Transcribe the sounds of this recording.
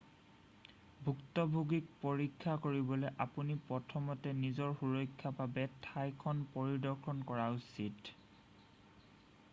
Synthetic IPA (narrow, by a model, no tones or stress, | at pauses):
bʱuktɔbʱuɡik̚poɹikʰːakoɹibɔlɛʔapunipɹɔtʰɔmɔtɛnizɔɹxuɹɔjkʰːapabɛtʰajkʰɔnpoɹidɔɹkʰɔnkɔɹausit